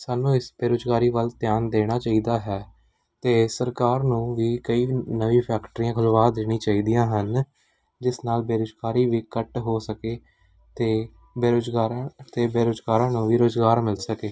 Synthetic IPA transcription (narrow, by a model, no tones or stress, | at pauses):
saːnũːɪsbeːɾoːd͡ʒɡaːɾiːʋəlt̪ɪjaːnd̪eːɽ̃aːt͡ʃaːiːd̪aːɦɛː | t̪eːsəɾkaːɾnũːʋiːkəiːnəʋĩːpʰɛːkʈəɾiːãːkʰʊlʋaːd̪eːɽ̃ĩːt͡ʃaːiːd̪ijãːɦən | d͡ʒɪsnaːlbeːɾoːd͡ʒɡaːɾiːʋiːkəʈɦoːsəkeː | t̪eː | eɾod͡ʒɡaːɾt̪eːbeːɾoːd͡ʒɡaːɾãːnũːʋiːɾoːzɡaːɾmɪlsəkeː